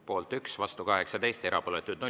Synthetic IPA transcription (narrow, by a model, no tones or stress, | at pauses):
po̞ːlt̪yksvɑst̪ukɑɦe̞ksɑd̪e̞jst̪e̞ɾʔɑpoːlet̪ːˑud̪no